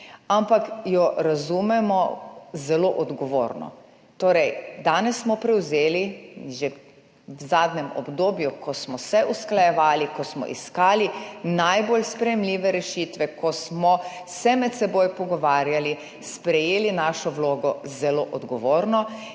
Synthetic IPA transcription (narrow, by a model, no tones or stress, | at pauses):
ampakjɔɾazumɛmɔzɛloʔɔd̪ɡɔʋo̰ːɾnɔ̰ | t̪oːɾɛjd̪aːnɛsːmɔpɾɛwzeːliʒe | wzaːd̪nɛmɔ̰bd̪oːbjukʰɔsmɔsɛʔusklajɛʋaːlikɔsmɔ̰ʔḭskaːlinajbolspɾɛjɛmlʲiːʋɛɾɛʃiːt̪ʋɛkɔsmɔ | sɛmɛt̪sɛboːjpɔɡɔʋaːɾjali | spɾɛjeːlinaːʃɔwloːɡɔzɛloːʔɔd̪ɡɔʋoːɾnɔ